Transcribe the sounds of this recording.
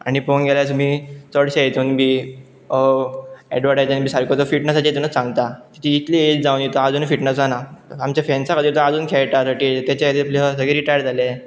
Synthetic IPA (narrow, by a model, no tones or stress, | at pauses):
a̰ɽ̃ifonɡeljat͡smiːt͡səɽɕaet̪uːnbʱiː | ɛ̰ɖʋaɾɽajd͡ʑənbʱiːsaɾkʰot͡sɔfiʈnəsat͡ɕeet̪unət͡sãŋɡt̪at̪i̥t̪ʰiit̪liet͡sd͡zaunit̪əad͡zuːnfiʈnəsanaamt͡ɕafɛnsakəd̪iːɾt̪əad͡zuːnkʰɛɭʈ̪asəʈiːt̪jat͡ɕaet̪iapliɦasəɡeɾiʈajəɾd͡zʱale